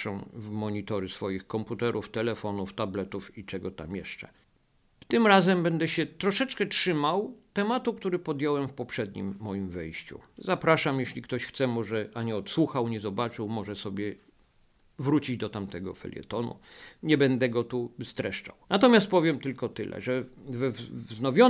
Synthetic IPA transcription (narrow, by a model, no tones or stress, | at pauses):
ʂɛ̃vmɔɲit̪ɔɾɪsfɔjixkɔmput̪ɛɾʔuft̪ɛlɛfɔnuft̪ablɛt̪ufit͡ʂɛɡɔt̪a̰mjɛ̰ʂt͡ʂɛ̰ | ft̪ɘmɾazɛmbɛnd̪ɛɕɛt̪ɾɔʂɛt͡ʂkɛtʂɘmawt̪ɛmat̪ukt̪uɾɘpɔd̪ʲjɔwɛmfpɔpʂɛd̪ɲḭmːɔjimvɘjɕt͡ɕṵzapɾaʂamjeɕlʲik̚t̪ɔɕxt̪sɛmɔʐɛʔaɲɛɔt̪swuxawɲɛzɔbat͡ʂɘwmɔʐɛsɔbʲjɛ | vɾut͡ɕid͡ʑd̪ɔt̪amt̪ɛɡɔ̰fɛ̰lʲjɛ̰t̪ɔnṵɲɛbɛnd̪ɛɡɔt̪ust̪ɾɛʂt͡ʂa̰wnat̪ɔmʲjast̪̚pɔvʲjɛmt̪ɘlkɔt̪ɘlʔɛ̰ʐɛvɛvvznɔvʲjɔ